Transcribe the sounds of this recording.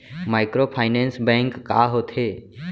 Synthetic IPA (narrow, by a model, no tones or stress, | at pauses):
maɪkɾopʰaːɪnẽnsbɛ̃ŋkːa̰ɦot̪ʰe